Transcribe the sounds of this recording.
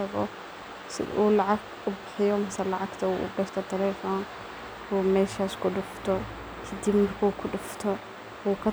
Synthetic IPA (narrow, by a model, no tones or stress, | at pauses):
ɐɡɔ̰ | sɪ̰uːlɐʕaɡ | ʊbɪħɪjɔmɐsɐlɐʕaɡt̪ʰɐuʔɡɐʃt̪ʰɐt̪ʰɐlɛfɔːn | umɛːʃaːskʊɗʊft̪ʰɔ | kʰɐd̪ibmɐrkʰuːkʰʊɗʊft̪ʰɔ | uːkʰɐ